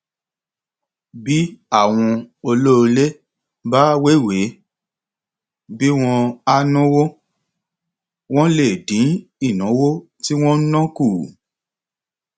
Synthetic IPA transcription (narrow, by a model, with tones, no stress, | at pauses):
bi˦a˦˨w̃ɔ̃˧o˧lo˦˧le˦ | ba˦we˦˨we˨˦ | bi˦w̃ɔ̃˧a˧nɔ̃˦wo˦ | w̃ɔ̃˦le˦˨dĩ˨˦i˦˨nɔ̃˨˦wo˦ | ti˦w̃ɔ̃˦nã˦ku˦˨